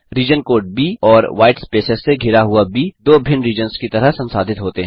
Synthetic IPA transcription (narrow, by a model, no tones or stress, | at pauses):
ɾiːd͡ʒənkoːɾʈ̚biːɔːɾʋaːɪʈspeːsəsːeɡʱɪɾaɦuabʱiːd̪oːbʱɪnɾiːd͡ʒənskit̪ɐɾəɦsɐ̃nsaːd̪ʱɪt̪ɦoːt̪eɦɛ̃ː